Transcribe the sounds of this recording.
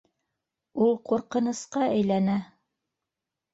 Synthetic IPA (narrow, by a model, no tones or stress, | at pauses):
ulˠquɾqɤ̆nɤ̆sqɑʔæjlænæ